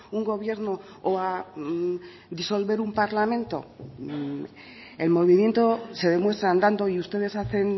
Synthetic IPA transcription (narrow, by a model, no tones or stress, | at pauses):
uŋɡo̞β̞je̞ɾno | oa | d̪iso̞lβe̞ɾumpaɾlamẽ̞nt̪o̞̰ | e̞lmo̞βimje̞nt̪o̞se̞ð̞e̞mwe̞st̪ɾaːnd̪and̪o̞iust̪e̞ð̞e̞saθe̞n